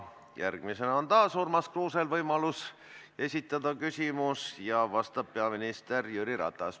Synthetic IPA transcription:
jærɡ̥mise̞nɑo̞nt̪ɑːsurmɑskruːse̞lvɤjmɑlus | e̞sʲit̪ːˑɑd̪̥ɑkysʲimusjɑvɑst̪ɑb̥̚peɑminist̪e̞rjyɾiɾɑ̰t̪ˑːɑs

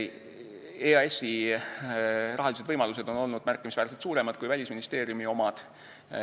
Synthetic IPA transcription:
eɑesi | rɑɦɑlised̪vɤjmɑluse̞d̪̥o̞no̞lnud̪̥mærkːˑimisvæːɾse̥t̪suːɾe̞mɑd̪̥̚kujvælʲisminist̪e̞ːɾijumio̞mɑd̪̥

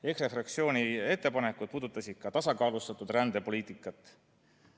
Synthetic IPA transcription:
ekrefrɑksio̞ːnʲie̞t̪ˑːe̞pɑne̞kud̪̥̚puːd̪ut̪ːˑɑsid̪̥̚kɑt̪ɑsɑkɑːlust̪ɑt̪ˑːud̪rænd̪̥e̞po̞liːt̪ˑikːˑɑt̪ːˑ

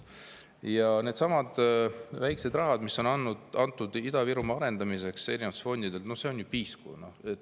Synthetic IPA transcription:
jɑne̞d̪̥sɑmɑd̪̥væjkse̞d̪rɑɦɑd̪misːo̞nɑnːud̪ɑnt̪ːˑud̪̥id̪̥ɑviɾumɑɑɾe̞nd̪ɑmise̞kse̞ɾinvɑt̪sfo̞nʲd̪̥id̪elt̪no̞hse̞onjupiːskṵnohet̪ː

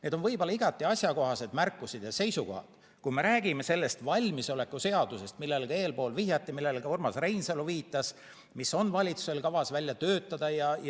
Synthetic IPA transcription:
ne̞ːd̪o̞nvɤjbo̞lɑiɡ̥ɑt̪ːˑiɑsʲjɑko̞ɦɑse̞d̪mærkːˑusid̪̥jɑse̞jsuko̞̰hɑ̰d̪̥ | kuime̞ɾæːɡ̥ime̞se̞lːe̞st̪vɑlʲmiso̞le̞kːˑuse̞ɑd̪use̞st̪milːe̞lɡ̥ɑe̞ːlpo̞ːlvihjɑt̪ːˑimilːe̞lɡ̥ɑormɑsrejnseluviːt̪ːˑɑs | miso̞nvɑlʲit̪suse̞lkɑvɑsvælʲjɑt̪øːt̪ˑːɑd̪̥ɑjɑj

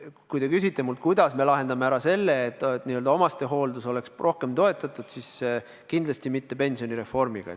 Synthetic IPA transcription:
kujd̪e̞kysit̪ːˑe̞mult̪̚kujd̪̥ɑsme̞lɑɦe̞nd̪ɑmeæɾɑse̞lːeːt̪ːˑt̪niːøld̪ɑo̞mɑst̪e̞ɦo̞ːld̪uso̞le̞ksro̞hke̞mt̪o̞e̞t̪ːˑɑt̪ːˑud̪̥sis | kind̪lɑst̪imit̪ːe̞pe̞nsio̞niɾe̞fo̞rmiɡ̥ɑ̰

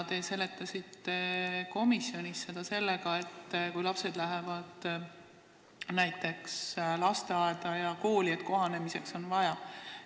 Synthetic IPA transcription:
d̪e̞se̞le̞t̪ːˑɑsit̪ːe̞ko̞misːjo̞nisse̞d̪̥ɑse̞lːe̞ɡɑe̞t̪ːkujlɑpse̞d̪̥læɦevɑd̪̥ | næjt̪ːe̞kslɑst̪eɑed̪̥ɑjɑko̞ːlie̞t̪ːˑko̞ɦɑne̞mise̞kso̞nvɑjɑ

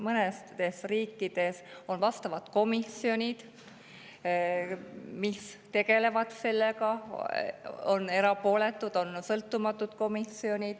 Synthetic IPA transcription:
mɤnest̪e̞sriːkːˑid̪̥e̞so̞nvɑst̪ɑvɑt̪ko̞misio̞nʲid̪̥ | mist̪e̞ɡe̞le̞vɑt̪se̞lːe̞kɑ | o̞ne̞ɾɑpo̞ːle̞t̪ːˑud̪̥o̞nsɤlt̪ˑːumɑt̪ːˑud̪̥ko̞misio̞nʲid̪̥

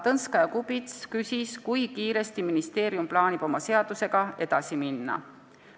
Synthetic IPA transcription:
t̪ɤnskɑjɑkubit̪skysʲiskujkiːɾe̞st̪iminist̪e̞ːɾjumplɑːnʲib̥o̞mɑse̞ɑd̪̥use̞ɡ̥ɑe̞d̪̥ɑsiminːɑ̰

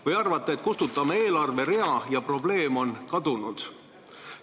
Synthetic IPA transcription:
vɯjɑrvɑt̪ˑːeet̪kust̪ut̪ːˑɑmee̞ːlɑrve̞ɾe̞ɑjɑpro̞ble̞ːmo̞nkɑd̪unud̪̥

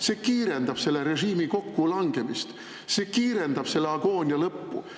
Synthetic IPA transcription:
se̞ːkiːɾe̞nd̪ɑb̥se̞lːe̞ɾe̞ʒiːmiko̞kːulɑŋɡ̥e̞mist̪ | seːkiːɾe̞nd̪̥ɑb̥se̞lːeɑɡ̥o̞ːnʲjɑlɤpːṵ

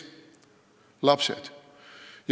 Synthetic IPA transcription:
lapsɛ̰t | j

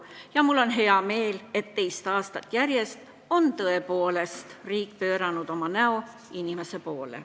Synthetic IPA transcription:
jɑmulːo̞nɦe̞ɑme̞ːle̞t̪ːe̞jst̪ɑːst̪ɑt̪ːˑjæɾje̞st̪ | o̞nt̪ɤe̞po̞ːle̞st̪riːkːˑpø̞ːɾɑnud̪̥o̞mɑnæo̞ | inime̞se̞poːlḛ

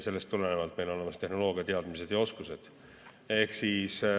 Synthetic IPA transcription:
se̞lːe̞st̪ːulene̞vɑlt̪ːˑmelole̞mɑst̪e̞ɦno̞lo̞ːɡ̥iɑt̪e̞ɑd̪̥mis̬e̞d̪̥jɑo̞skuse̞d̪̥ | e̞hksiːs

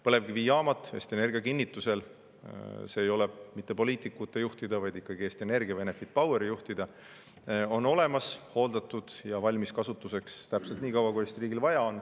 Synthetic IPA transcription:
pɤ̞le̞vɡiviːɑːmɑt̪ːˑḛːst̪ie̞ne̞rɡ̥iɑkinʲːit̪ːuse̞l | seːjo̞le̞mit̪ːe̞po̞liːt̪ikːˑut̪ːˑe̞juht̪id̪ɑvɑjd̪ikːˑɑɡ̥ie̞ːst̪iene̞rɡiɑve̞ne̞fit̪̚pɑweɾijuht̪id̪̥ɑ | o̞nːo̞le̞mɑsho̞ːld̪ɑt̪ːud̪̥jɑvɑlʲmiskɑsut̪ːˑuse̞kst̪æpselt̪niːkɑwɑkue̞st̪iriːɡ̥ilvɑjɑo̞n

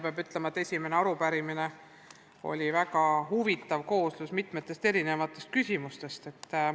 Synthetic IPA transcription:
peɑbyt̪ˑlemɑet̪ːˑesʲime̞neɑɾupæɾimine̞ | o̞̰lʲivækɑɦuvit̪ːˑɑvko̞ːslusmit̪ˑmet̪ːˑe̞st̪e̞ɾine̞vɑt̪ːˑe̞st̪̚kysʲimust̪e̞st̪e̞t̪ːˑ

